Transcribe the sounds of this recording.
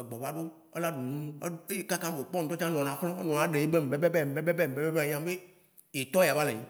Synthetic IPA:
e˨ɡ͡bɔ˨ba˦ɖo˦ | e˦la˦ɖu˨nũ˦e˦e˦ka˦kã˦be˨k͡pɔ˦ŋ̩˨˦t̪ɔ˦t͡ʃã˦nɔ̃˨nã˨xlɔ̃˦nɔ̃˨nã˨˦ɖe˨e˦be˦m˨be˦bɛ˦bɛ˦˨m˨be˦bɛ˦bɛ˦˨m̩˨be˦bɛ˦bã˨ɲ˦ã˦mbe˦ | je˨t̪ɔ˦ja˨va˦lẽ˨ĩ˦

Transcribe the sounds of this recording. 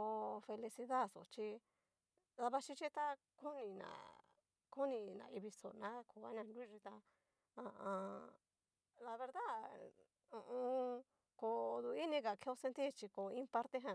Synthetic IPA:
o˧fe˧li˧si˧ða˦so̰˨t͡ʃi˧ | ða˧βa˧ʃi˦t͡ʃi˦t̪a˦ | ku˦nĩ˧nã̰˨ | ku˦nĩ˧nã̰˨˧i˧βi˧so̰˨˧nã˦kʰo˧˨a˦nã˧ndu˦˧ʐi˧t̪a˧ | ã˧ʔã˧ | la˧βe˧ɾða˦ | ũ˧ʔũ˧ | ko˨˧d̪u˧i˦nĩ˧ka˨ke˧˦o˧sẽ˧nt̪i˦˨t͡ʃi˧ko˨˧ĩ˦pa˦ɾt̪e˦ɦã˧

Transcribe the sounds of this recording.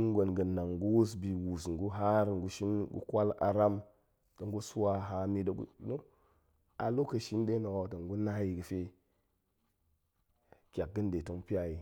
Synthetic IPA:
ŋ˦ɡo˨nɡə˨nːa˨ŋ˨ɡu˦wu˦s̬bi˨wu˨sŋ˨ɡu˦ɦa˦ɾŋ˨ɡu˦ʃi˦n˦ɡṵ˦kʷa˦la̰˨ɾa˦m | to˨ŋɡu˦su˦wa˦ɦa˨mi˦də˨ɡṵ˦no˦ | a˨lo˦kə˨ʃi˦nde˦no˨wa˨to˨ŋ˦ɡu˦na˦ji˨ɡə˨fe˦ | kʲa˨k̚ɡə˦nde˨to˦ŋpi˦a˦ji˨

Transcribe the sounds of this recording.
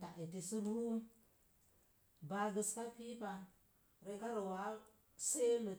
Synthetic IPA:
ta˨e˨ti˨sɨ˦bu˦u˦ | ba˨ɡə˨ska˦pi˦pa˨ | ɾe˦ɡa˦ɾo˨wa˨˦ | se˦mə˨

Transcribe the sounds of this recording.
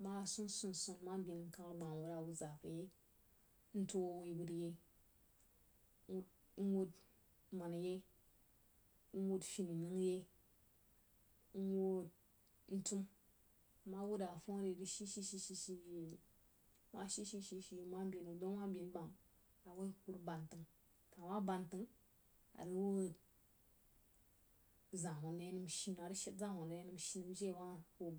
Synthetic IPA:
ma˦˨su˦n˦su˦n˨su˨nma˦m˦bʲi˨n˨ŋ̩˦ka˦ɾɡ͡ba˨ŋ˨wu˨ɾa˨wu˦za˨fə˨je˦ | n̩˦to˦wi˦bu˦dje˦ | n̩˦wu˦d | ma˨na˨je˦ | n̩˦wu˦dfi˦ni˨nɨ˦ŋje˦ | n̩˦wo˦d̚ | n̩˦tu˦m˨ | ma˦wu˦da˨fo˦ɾe˨di˦ʃi˦ʃi˦ʃi˦ʃi˦ʃi˦i˦˨˦ | wa˦ʃi˦ʃi˦ʃi˦ʃi˦jma˦mbʲi˨nu˨do˦wa˦mbʲi˨n˦ba˨ŋ | a˨wo˦ku˦ɾba˨ntɨ˦ŋ | ta˨wa˦ba˨ntɨ˦ŋ | a̰˨ɾɨ˦wo˦˨d | za˨wo˨n˦je˦nɨ˦mʃi˦n˨a˨ɾi˦ʃi˦tza˦wo˨n˨˦e˦nɨ˦mʃi˦nɨ˨m˦d͡ʒe˦˨wa˦wo˦˨

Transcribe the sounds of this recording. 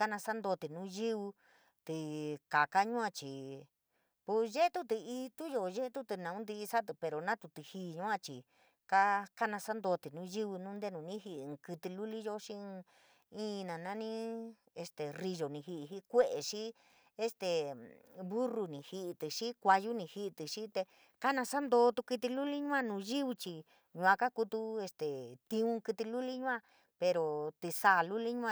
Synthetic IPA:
ka˦nã˧sa˦nd̪o˧t̪i˨nũ˦ʒɨ˦βu˧ | t̪ɨ˨˧ka˨ka˦ɲũ˦ã˧t͡ʃi˨ | pu˧ʒe˦t̪u˦t̪̬ɨ˧i˧t̪u˦jo˧ʒe˦t̪u˦t̪ɨ˧nã˨ũ˦d̪i˧i˧sa˦t̪̬ɨ˧pe˧ɾo˨nã˦t̪u˧t̪ɨ˧hi˧˦˧ɲũ˦ã˧t͡ʃi˨ | ka˦ka˦nã˧sa˦nd̪o˧t̪i˨nũ˦ʒi˦βɨ˧nũ˦nd̪e˦˧nũ˨˧nĩ˦ɦi˧ʔkɨ˧t̪i˧lu˦li˦ʒo˦ʂĩ˦˧ | ĩ˦˧nã˨nã˦nĩ˦ | e˧st̪e˨ri˧ʒo˨nĩ˧hi˧ʔɦi˦kʷe˦ʔe˨ʃi˦ | e˧st̪e˨ | βu˦ru˧nĩ˧hi˧ʔt̪ɨ˨ʂi˦kʷa˧ju˦nĩ˧hi˧ʔt̪i˨ʃi˦t̪e˧ | ka˦nã˧sa˦nd̪oː˧˦t̪u˧ki˧t̪i˧lu˦li˦ɲũ˦ã˦˧nũ˧ʒi˦βu˧t͡ʃi˧ | ɲũ˧ã˧ka˦ku˧t̪u˧e˧st̪e˨t̪ĩ˧ũ˧kɨ˧t̪i˧lu˦li˦ɲũ˦ã˧ | pe˧ɾo˨t̪i˧sa˧˨lu˦li˦ɲũ˦˧ã˦˧

